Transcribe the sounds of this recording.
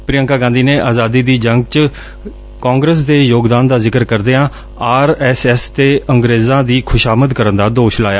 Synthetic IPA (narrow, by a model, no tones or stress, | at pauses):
pɾɪjə̃ŋkaːɡãːnd̪iːneːʔaːzaːd̪iːd̪iːd͡ʒəŋɡ̚t͡ʃ | kãːŋɡɾəs̬d̪eːjoːɡd̪aːnd̪aːzɪkəɾkəɾd̪eːãː | aːɾɛːsɛːst̪eːəŋɡɾeːzãːd̪iːkʰʊʃaːməd̪kəɾənd̪aːd̪oːʃlaːjaː